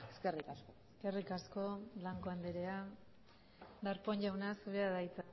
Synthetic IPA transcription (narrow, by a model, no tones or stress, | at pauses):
eskerikaskoskerikasko̞blaŋko̞and̪eɾea | d̪aɾpoɲʎawnasuβeaðajt͡sa